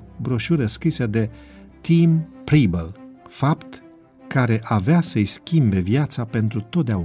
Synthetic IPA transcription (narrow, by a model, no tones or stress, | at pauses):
bɾoʃuɾʲeskɾised̪e̞ | t̪impɾibəlfapt̪ | kaɾe̞ʔaveasəjskʲimbe̞vjat̪sape̞nt̪ɾut̪o̞t̪̚d̪eau